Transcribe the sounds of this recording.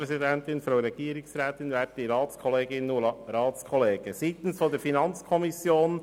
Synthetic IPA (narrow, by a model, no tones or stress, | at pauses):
ɾɛsidɛnt̪ɪnfɾaʊɾɛɡ̥iːəɾɪksɾɛːt̪ɪnʋæːp̚diɾɑːtt͡skʰɔleːɡɪnːuɾɑːt͡skʰɔleːɡ̥əsiːt̪n̩sfɔdəɾfinɑnt͡skʰɔmisjoːn